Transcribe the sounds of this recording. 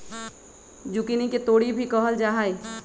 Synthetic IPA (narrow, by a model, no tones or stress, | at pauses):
d͡ʒʊkiniket̪oːɽibʱikɔɦəld͡ʒaːɦaːi